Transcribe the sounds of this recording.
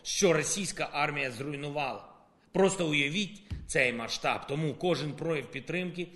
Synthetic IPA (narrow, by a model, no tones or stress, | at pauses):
ʃt͡ʃɔɾɔsʲijsʲkɐʔɑrmʲijɐzɾʊjnʊʋɑlˠɐ̰ | pɾɔst̪ɔʊjɐʋʲitʲt̪sɛjmɐʃt̪ɑ̰bt̪ɔmukɔʒɪnpɾɔjɐwpʲid̪̚t̪ːɾɪmkɪ